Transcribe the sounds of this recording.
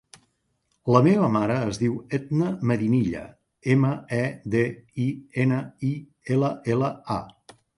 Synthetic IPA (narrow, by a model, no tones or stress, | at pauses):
ləmeβəmaɾəːzðiwed̪nəməðiniʎə̰ | eməɛd̪eienəi | eləeləa